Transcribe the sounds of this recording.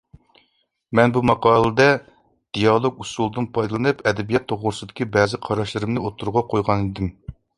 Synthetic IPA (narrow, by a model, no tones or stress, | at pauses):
mɛnbumɑqɑːlˠɨd̪ɛ | d̪̥ijɑlˠoɡusulˠd̪ɨnpʰɑjd̪ɨlˠɨnɨpɛd̪ɛbijɛt̪ʰːoʁʊɾsɨd̪ɪ̥kʲibɛːzɪqʰɑɾɑʃlˠɨɾɨmnɨot̪ʰːuɾʁɑqʰojʁɑnid̪ɪm